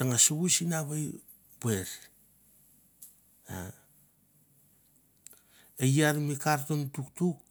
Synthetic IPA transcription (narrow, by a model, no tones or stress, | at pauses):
taŋasuɡusinaβaj | beɾ | a̰ | ejaɾmikaɾtontuktuk̚